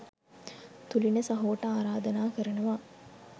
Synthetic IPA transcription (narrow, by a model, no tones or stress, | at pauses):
t̪ulinəsɐɦoːʈɐaːɾaːd̪ɐnaːkəɾɐnɐʋaː